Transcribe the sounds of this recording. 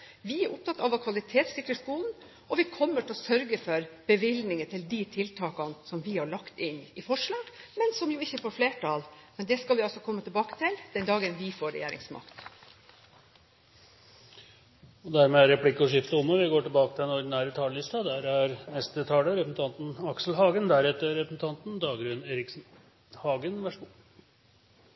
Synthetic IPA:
ʋɪæɾʔʊp̚t̪ʰɑt̪ːɑʋɑkʰʋɑlɪt̪ʰeːt̪sɪkɾəskuːln̩ | ʔɔʋɪkʰɔmːəʈʰɪlɔsœɾɡəfɔɾb̥əʋɪlnɪŋət̪ʰɪld̪it̪ʰɪlt̪ʰɑːkɑnsɔmʋɪhɑɭɑkt̪ɪnɪfɔʂɭɑːɡ̥mɛnsɔmjʊɪçːəfɔɾfleːʈʰɑːlmɛnd̪ɛskɑlʋɪɑlsɔkʰɔmːət̪ɪlbɑːkə̥t̪ʰɪld̪ɛnd̪ɑːɡənʋɪfoːɾːɛ̰jḛːɾɪ̰ŋsmɑ̰kt̪ | ɔd̪æɾmɛæɾɾɛpʰlɪkːɔʂɪft̪əʊmːəʋɪɡoːʈɪlbɑːkət̪ɪlɛnɔɾɖɪnæːɾət̪ʰɑːləlɪst̪ɑd̪æɾæɾnɛst̪ət̪ʰɑːləɾɛpɾsn̩t̪ʰɑnt̪nɑksl̩ɦɑːɡənd̪æɾɛt̪ːəɾɛpɾəsn̩t̪ʰɑnt̪n̩d̪ɑːɡɾʉːneːɾɪk | hɑːɡənʋæʂ

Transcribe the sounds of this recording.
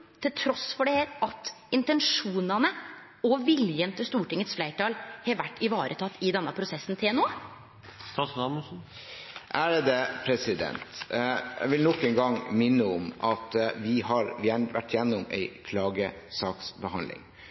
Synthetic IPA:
t̪ʰɪlt̪ʰɾɔsfɔɖɛheːɾʔɑt̪ɪnt̪ɛnʂuːnɑnə | ɔʋɪljənt̪ʰəst̪uːʈɪŋːət̪sflæɪʈɑːlhɛʋæʈːɪʋɑːɾʔə̰t̪ʰɑt̪ːɪd̪ɛnːəpʰɾʊsɛsːnt̪ʰeːɛnuː | ɑsɑmən̩ | ʔæɾd̪ɛpʰɾɛsɪd̪ɛ̰nt̪jæ̰ʋɪlnɔkənɡɑŋmɪnːəɔmʔɑt̪ʋɪhɑɾʋɪjænʋæ̰ʈːjɛnːʊmɛ̰ɪkʰlɑːɡə | sɑːksbəhɑ̰nlɪ̰ŋ

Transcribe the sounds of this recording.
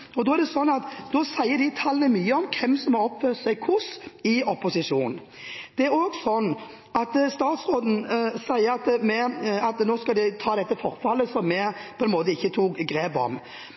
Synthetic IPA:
ɔd̪ɔːæʁɾd̪ɛsɔnːɑt̪d̪ɔːsæɪːəd̪ɪt̪ʰɑlːənəmyːəɔmkʰɛmsɔmhɑʁɔpfœʁt̪sæɪkʰʊsɪɔpːʊsɪʂuːnn̩ | d̪̥ɛæɾoːɡsɔnː | ɑt̪st̪ɑːt̪sʁoːd̪n̩sæɪəɾɑt̪mɛɑt̪noːskɑld̪ɪt̪ʰɑːd̪ɛt̪ːəfɔʁfɑlːəsɔmːɛpʰɔɛnmoːt̪̬əɪçːət̪ʰuːkɡɾeːbɔ̰m

